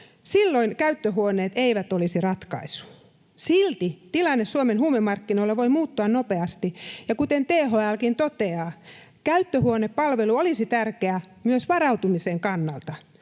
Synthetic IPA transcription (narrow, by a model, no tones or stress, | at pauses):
silːoinkæyt̪ːøhuoneːt̪eiʋæt̪olisirɑt̪kɑ̰isu̥ | silt̪it̪ilɑnːessuomenhuːmemːɑrkːinoilːeʋoimuːt̪ːuɑnnopeɑst̪ijɑkut̪ent̪eːɦoælkint̪ot̪eɑː | kæyt̪ːøhuoneppɑlʋeluolisit̪ærkeæmyøsʋɑrɑut̪umiseŋkɑnːɑlt̪ɑ